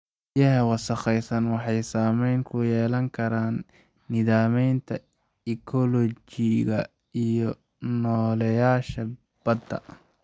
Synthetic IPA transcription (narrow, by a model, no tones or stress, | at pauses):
jɐɦɐwɑsɐχɛjsɐnwɑħɑjsaːmɛjnkʰʊjɛːlɐŋkʰɐɾaːnː | ɪðaːmɛjnt̪ʰɐ | ɪkʰɔlɔt͡ʃɪɣɐ | ijɔ | nɔːlɛjaːʃɐ | b̥ɐd̪ɐ̰